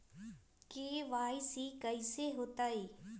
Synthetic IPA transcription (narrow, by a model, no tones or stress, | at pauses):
keːʋaːisikəiseɦoːt̪aːiː